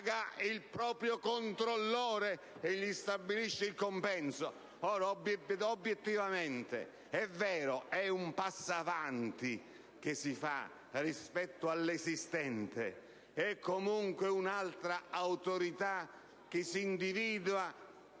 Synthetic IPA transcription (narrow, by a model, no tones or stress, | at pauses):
ɡailpɾɔːpɾjokont̪ɾolːɔːɾe | eʎːist̪abːiliʃːeilkompɛnso | ɔːɾaobobːjet̪ːivament̪ḛ | ɛvːɛːɾoɛumpasːavant̪i | k̟ɪsːifa̰ | rispɛt̪ːʊalːesist̪ɛnt̪ḛ | ɛkʰːomuŋkwɪunalt̪ɾaawt̪oɾit̪a | k̟ɪsːiːnd̪iviːd̪ua